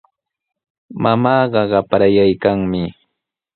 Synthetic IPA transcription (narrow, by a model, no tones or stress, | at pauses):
mamɑːɢɑɢɑpɾajajkaŋmɪ